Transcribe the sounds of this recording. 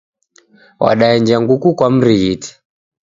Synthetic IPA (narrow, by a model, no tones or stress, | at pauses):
wa̰ɗaɛnd͡ʒaŋɡukukwam̩ɾiɣiti̥